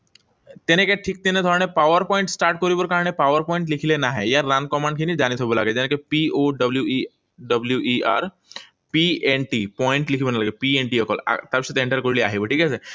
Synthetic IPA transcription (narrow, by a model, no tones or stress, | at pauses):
t̪enekeʈʰiːk̚t̪enẽd̪ʱɔɾnepaʋəɾpɔĩɳʈsʈaɾʈ̚kɔɾibəɾkaɾɳepaʋəɾpɔ̃ĩɳʈlikʰilenaɦḛjaɾːankɔmãɳɖkʰinid͡ʑañit̪ʰobəla̰ɡed͡ʑenekepioɖəbljui | ɖəbljuʔia̰ɾ | pienʈipɔiɳʈlikʰibənalaɡepieɳʈiəkɔ̰la̰t̪abɕet̪ẽɳʈəɾkoɽliaɦibəʈʰiːkɛse